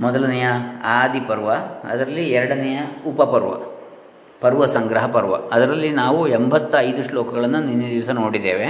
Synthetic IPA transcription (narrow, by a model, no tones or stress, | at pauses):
mɔd̪ɐlɐnɛjɐaːd̪ipɐɾʋɐɐ̰d̪ɐɾɐlːiɛɾɐɽɐnɛjɐupɐpɐɾʋɐ̰ | pɐɾʋɐsɐŋɡɾɐɦɐpɐɾʋɐ̰ɐd̪ɐɾɐlːinaːʋuembʱɐt̪ːɐɐjd̪uʂlɔːkɐɡɐɭɐnːuninːɐd̪iʋɐsɐnoːɽid̪ːḛːʋe